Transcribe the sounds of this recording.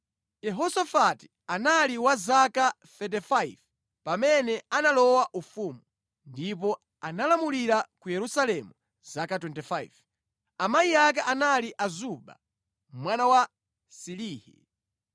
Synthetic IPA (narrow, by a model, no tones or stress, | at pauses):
jɛɦɔsafati̥ | analiwazaka | θɛt̬ɛfajv | pamɛnɛanalɔwaʔufuːmu | ndipɔ | analamuliɾakujɛɾusalɛmu | z̥akatwɛntɛfaḭv | amaiak̬aʔanaliʔazuɓa̰ | mwanawa | siliːhḭ